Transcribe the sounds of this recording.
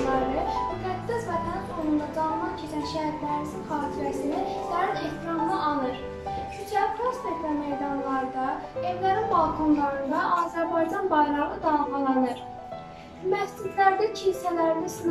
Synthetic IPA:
lˠɑɾɯmyfæd̪ːæsvæt̪ʰænɑt̪kʰolˠund̪ɑd͡ʒ̪ɑmɑncʰet͡ʃʰænʃæɦæɾlæɾisinχɑːt̪ʰiɾæsinid̪æɾine̞ht̪ʰiɾɑmlˠɯʔɑlˠɯɾ | sit͡ʃʰæpʰost̪et̪læmejd̪ɑnlˠɑɾd̪ɑe̞vlæɾinbɑlˠkʰunlˠɑɾɯnd̪ɑʔɑːzæɾbɑjd͡ʒɑnbɑjɾˠɑʁɯd̪ɑːɣɑlˠɑnɯɾ | mæfsid̪læɾd̪æcʰinsælæɾid̪æsin

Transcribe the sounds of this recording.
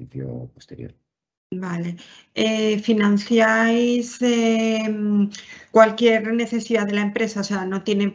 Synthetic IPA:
iθjo̰post̪eɾjo̰ɾ | bale | efinãnθjajse | kwalkje̞ɾne̞θe̞siðaðelaempɾe̞saoseano̞t̪je̞nem

